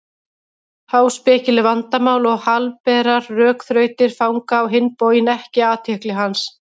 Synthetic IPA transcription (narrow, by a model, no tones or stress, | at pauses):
hawspɪːcɪlɪvant̪amaːwlɔɣhalpɛːɾaɾːœːkθɾœːɥt̪ɪɾ̥fawŋkaːwɦɪnːpowjɪnɛhcɪaːt̪ʰɛhklɪɦans